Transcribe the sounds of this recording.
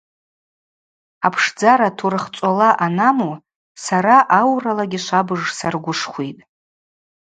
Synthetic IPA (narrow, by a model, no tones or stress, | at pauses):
apʰʂd͡zaɾatʰurɨχt͡sʷʼalaʔanamu | saɾaʔawralaɡʲiʃʷabɨʐsarɡʷʊʂχʷitʼ